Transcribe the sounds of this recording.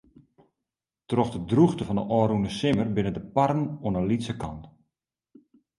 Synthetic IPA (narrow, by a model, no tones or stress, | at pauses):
trɔxdədruxtəfɔndə̰ʔɔːɾunəsɪmərbɪnədəparənonəlitsəkɑnt